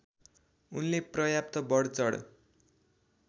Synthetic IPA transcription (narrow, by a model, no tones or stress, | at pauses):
unleprʌjap̚t̪ʌbʌɽt͡sʌɽ̰